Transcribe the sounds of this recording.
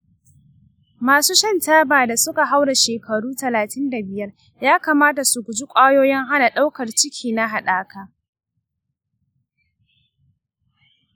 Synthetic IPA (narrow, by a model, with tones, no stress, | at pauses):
maː˨suː˦ʃɐ˦˨ntaː˦baː˨da˨sʊ˦ka˨ɦa˦wɽa˨ʃeː˨kɐ˨ɽuː˦tɐ˨laː˨tɪ˦nda˨bɪ˨jɐ˦r | jaː˦kaː˨maː˦ta˨su˨ɡʷʊ˨d͡ʒɪ˦kʷʼaː˦joː˦jɪ˦ŋɦa˦na˨ɗa˦wkɐ˨rt͡ʃɪ˦kʲʰiː˨na˦ɦa˨ɗaː˦kaː˦